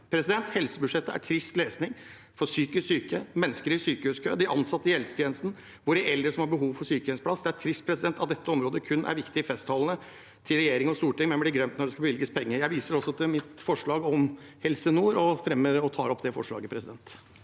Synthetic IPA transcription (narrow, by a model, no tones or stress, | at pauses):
pʰɾɛsɪd̪ɛnt̪hɛlsəbʉʂɛt̪ːəæ̰ʈʰɾɪst̪leːsnɪŋ | fɔɾsyːkəsyːkəmɛnːəskəɾɪsyːkəhʉːskʰø̰ːd̪ɪʔɑnsɑt̪ːəɪhɛlsə̥t̪ʰjɛːnəst̪n̩ | ʋʊɖæʔɛld̪ɾəsɔmhɑɾbəɦuːʋfɔɾsyːkəɛnspʰlɑsːd̪ɛæʈʰɾɪst̪̚pʰɾɛsɪd̪ɛnt̪ɑt̪̚d̪ɛt̪ːəɔmɾoːd̪əkʰʉnːʔæ̰ɾʋɪkt̪ɪɪfɛst̪hɑlənə | t̪ʰɪlɾɛjeːɾɪŋɔst̪uːʈɪŋmɛnblɪɡɾœmt̪nɔɖɛskɑbəʋɪlɡəspʰɛŋːəjæɪʋiːsəɾɔsːɔt̪ʰɪlmɪt̪fɔʂɭɑːɡɔmhɛlsənuːɾɔfɾɛmːəɾɔt̪ʰɑːɾɔpːd̪ɛfɔ̰ʂɭɑ̰ːɡəpʰɾɛsɪd̪ɛnt̪